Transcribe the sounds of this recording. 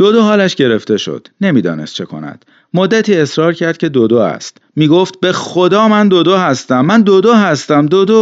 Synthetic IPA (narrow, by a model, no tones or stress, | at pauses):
d̪̥od̪oɦɒːlæʃɟe̞ɾe̞ft̪e̞ʃo̰d̪̥ne̞miːd̪ɒ̰ːnest̪̚t͡ʃʰe̞kʰo̞̰næ̰d̪̥ | mod̪ːæt̪ʰiːe̞sɾɒːɾcʰæɾd̪̥kcʰe̞d̪od̪oæ̰st̪ | miːɡoft̪̚be̞xod̪ɒːmænd̪od̪oɦæst̪æmːænd̪od̪oːɦæst̪æmd̪od̪o